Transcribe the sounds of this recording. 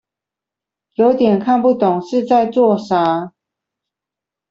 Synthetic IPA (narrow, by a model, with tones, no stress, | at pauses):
jo˧˦ʊt̪jɛ˨˩nkʰa˥˧npu˥˨t̪ʊ˨˩ŋʂɻ̩˥˧t͡sa˥˧ɪt͡swɔ˥˨ʂa˨˧˦